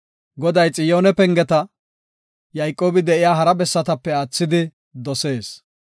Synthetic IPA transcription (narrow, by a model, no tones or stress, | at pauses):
ɡɔd̪ɐjt͡sʼɪjoːnɛpɛŋɡɛt̪ɐ | jɐjkʼːo̞ːbɪd̪ɛɪjaːɦɐɾɐbɛsːɐt̪ɐpːɛaːt͡sːɪd̪ɪ | d̪ɔse̞ːs